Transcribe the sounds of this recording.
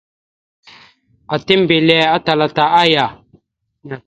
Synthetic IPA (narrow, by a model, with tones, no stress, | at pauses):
a˨ti˦m˦bi˨lɛ˦a˦ta˨la˨ta˨ʔa˦ja˨ | na˨